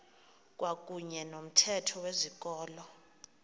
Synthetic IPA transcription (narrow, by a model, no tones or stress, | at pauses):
k̬ʼwak̬ʼuɲɛnom̩tʰɛtʰɔwezik̬ʼɔːlɔ